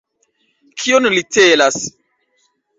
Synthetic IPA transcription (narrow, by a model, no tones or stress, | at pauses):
kʰionlitelas